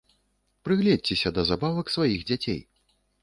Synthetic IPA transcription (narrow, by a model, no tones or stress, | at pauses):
pɾɨɣlʲɛd̚ʲt͡sʲɛsʲɐd̪ɐzabavɐksvajiɣd͡zʲat͡sʲḛj